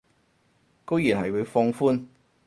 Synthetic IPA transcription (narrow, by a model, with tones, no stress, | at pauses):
ko˥wjiː˨˩nɦɐ˨˩jwu˨˧jfɔː˧ŋfuː˥n